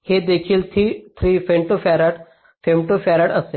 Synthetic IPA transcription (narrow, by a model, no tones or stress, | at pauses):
hed̪eːkʰiːlt̪ʰit̪ʰɾiːfeɳʈofaɾaɽ | femʈofaɾaʈɐse